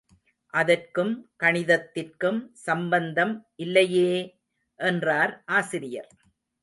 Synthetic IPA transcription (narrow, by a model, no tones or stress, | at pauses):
ʔɐðɐrkɯmkɐɳɪðɐt̪ːɪrkɯmsɐmbɐnd̪ɐmʔɪlːɐjeː | ʔɛndraːɾʔaːsɪɾɪjɐɾ